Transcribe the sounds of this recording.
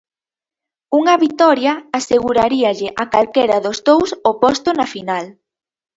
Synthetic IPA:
uŋɐβit̪ɔɾjɐaseɣuɾaɾiɐʎɪʔakalkeɾɐðozðowsopost̪ʊnafinal

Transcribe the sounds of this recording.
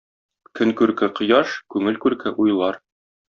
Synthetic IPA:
kʰɘŋkʉɾkɘqŏjɑʃkʉŋɘlkʉɾkɘʔujlˠɑɾ

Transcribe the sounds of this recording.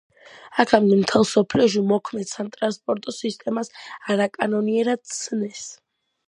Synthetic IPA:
akʰamd̪ɛmt̪ʰɛlˠsɔpʰliɔʃ̬imɔkʰmɛd̪samt̪ʼɾanspʼɔɾt̪ʼɔsist̪ʼɛmasaɾakʼanɔniɛɾad̪̥̚t̪sʰnɛs

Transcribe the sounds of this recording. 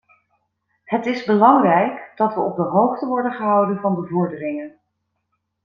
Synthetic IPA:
ɦətɪzbəlɑŋrɛjkd̥ɑtʋəʔɔb̚dəɦowχtəʋɔɹdənχəɦʌwdənvɑnbəvɔɹdərɪŋən

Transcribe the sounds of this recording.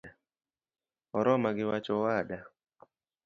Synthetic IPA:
ɔɾɔmaɡɪwat͡ʃɔwada

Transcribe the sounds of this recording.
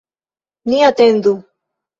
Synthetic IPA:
niat̪end̪u

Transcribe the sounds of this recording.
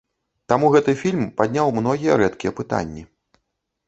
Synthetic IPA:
t̪amuɣɛt̪ɨfʲilʲmpad̪ʲnʲawmnɔɣʲijɐɾɛt̪kʲijɛpɨt̪a̰nʲːi

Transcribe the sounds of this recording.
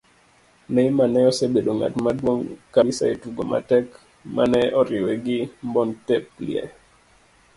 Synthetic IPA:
nɛimanɛɔsebeɗoŋa̰tmadwoŋkaisa̰etuɡoma̰tɛk | manɛɔɾɪwɛɡɪmbɔntɛp̚lḭɛ̰

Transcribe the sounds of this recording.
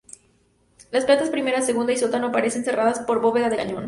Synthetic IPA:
lasplat̪aspɾime̞ɾase̞ɣund̪aisot̪ano̞apaɾe̞se̞nse̞raðaspo̞ɾβo̞βe̞ðaðelaɲõ̞n

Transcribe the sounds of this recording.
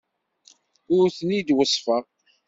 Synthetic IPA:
ʊɾθənid̪wəsˤːfəʁ

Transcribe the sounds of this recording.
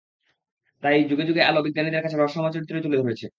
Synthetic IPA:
t̪ajd͡ʑuɡed͡ʑuɡealobiɡːanid̪eɾkat͡ɕʰeɾɔʃɔmat͡ɕoɾit̪ːɾoejt̪uled̪ʱoɾet͡ɕʰe

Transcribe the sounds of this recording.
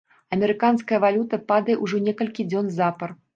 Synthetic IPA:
ɐmʲɛɾɨkanskɐjɐvalʲut̪ɐpad̪ɐjɛʔuʐɔnʲɛkɐlʲkʲid͡zʲɔnzapɐr

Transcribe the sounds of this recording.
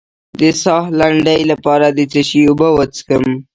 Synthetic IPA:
d̪əsɑhlaɳɖajlapɑɾad̪ət͡səʃiubəwət͡skəm

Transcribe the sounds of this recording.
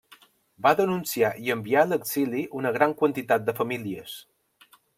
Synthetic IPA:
baðənunsiaʔiəmbialəkz̥iliʔunəɣ̞ɾaŋkwənt̪it̪at̪̚d̪əfəmiliəs

